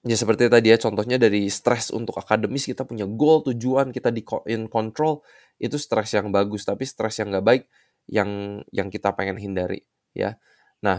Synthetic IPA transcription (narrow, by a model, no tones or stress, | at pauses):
jasəpərt̪it̪adijat͡ʃɔnt̪ɔɦɲadaɾist̪ɾɛsṵnt̪ʊkakadəmɪskit̪apuɲaɡolt̪ud͡ʒuankit̪adikɔʔɪnkɔnt̪ɾɔl | it̪ust̪ɾɛsjaŋbaɡʊst̪apist̪ɾɛsjaŋɡaʔbaɪk̚ | jaŋjaŋkit̪apeŋɛnɦindaɾḭ | ja̰ | nah